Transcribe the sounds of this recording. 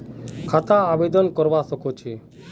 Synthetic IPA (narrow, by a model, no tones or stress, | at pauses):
kʰat̪ãːbed̪ɔnkɔɾʋasɔkot͡ʃʰe